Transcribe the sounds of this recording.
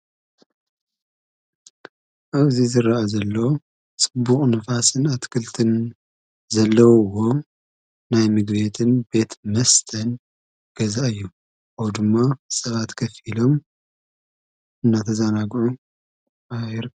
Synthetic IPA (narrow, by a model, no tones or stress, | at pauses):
ʔaβzizɨɾaazɐlːo | sʼɨbːuχʼnɐfasɨnat̪kʰɨlt̪ʰɨn | zɐlːɐwwo̞ | najmɨɡβe̞t̪ʰɨnbe̞t̪mɐst̪ʰɐn | ɡ̥ɐzaʔɨjːu | awd̪ɨmːasʼɐβat̪kʰɐfilo̞m | ɨnːat̪ʰɐzanaɡʕu | ajɾ